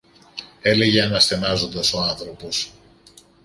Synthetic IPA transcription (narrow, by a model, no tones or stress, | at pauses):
e̞le̞ʝeɐnɐsθe̞nɐzo̞nd̪ɐso̞ɐnθɾo̞po̞s